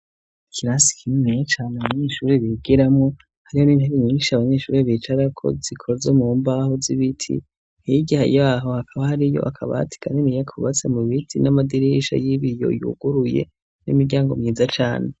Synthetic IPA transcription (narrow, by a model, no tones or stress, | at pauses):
ikʰiɾaːsi̥kʰimet͡ʃaːneaβaɲeːʃuːɾeβiɡiɾamŋo̞ | haɾiho̞niːnheɾiɲiːnʃiaβaɲe̞ːʃṵːɾeβit͡ʃaɾakʰo̞̰zikʰozomuːmbahoziβitʰḭ | hiiɟiha̰jaɦo̞hakʰaβahaɾijo̞̰ʔakʰaβa̰tʰi̥ɡanenijakʰuβat͡se̞muβitʰinamadiɾiʃa̰jiβijo̰jṵɡ̥uɾuje̞̰ | nḭmiɾɟaːŋɡo̞mŋiːzat͡ʃa̰ːne